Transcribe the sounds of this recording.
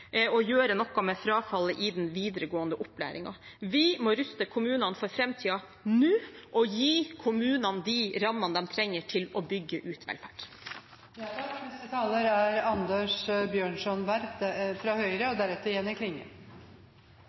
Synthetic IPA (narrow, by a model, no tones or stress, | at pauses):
ɔjøːɾənɔkːɑmeːfɾɑːfɑlːəʔɪd̪ɛnʋiːd̪əɾəɡoːənd̪əʔʊpːlæ̰ːɾɪ̰ŋɑ̰ʋɪmoːɾʉst̪əkʰʊmʉːnɑnfɔɾfɾɛmt̪ʰiːɑ | nʉːʔɔjiːkʰʊmʉːnɑnd̪iɾɑmːɑnd̪ɛmt̪ʰɾɛŋːəʈʰɪlɔbʏɡːəʔʉːt̪ʰʋɛ̰lfæɖ | nɛt̪ət̪ʰɑːləɾæɾɑnd̪əʂbjøːɳʂɔnʋæɾt̪fɾɑːhœʏɾəɔd̪æɾɛt̪ːəɾjɛnːɪkʰlɪŋːə̰